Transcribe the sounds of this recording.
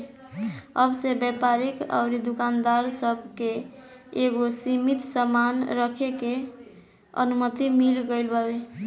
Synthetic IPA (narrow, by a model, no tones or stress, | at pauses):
əbsebjɛpaɾikə̰ʊɾid̪ukand̪aɾsəbʱkeː | ɡosimit̪səmanɾəkʰeke | ə̰numət̪imilɡəɪlbəbe